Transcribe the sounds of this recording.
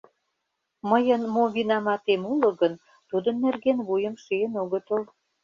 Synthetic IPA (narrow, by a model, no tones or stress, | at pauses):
məjənmoβinɑmɑt̪emulɤ̆ɣən | t̪ud̪ənːerɣenβujə̆mʃiənoɣət̪ol